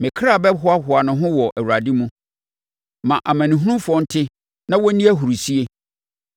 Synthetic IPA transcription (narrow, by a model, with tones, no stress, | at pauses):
mɪ̃˨kʰɾa˦˨bɛ˦ɦʊ˦a˦˨ɦʊ˨a˨nʊ̃˨ɦʊ̃˦wɔ˨ʔɛ˨wu˨ɾa˨di˦mũ˦ | mã˨ʔa˨mã˨nĩ˨ɦũ˦nũ˦fʊ˨˦ɔ˦n̩˦tʰɪ˦ | nã˦wɔ˦nĩ˦æ˦ɦu˨ɾu˨si˦e˦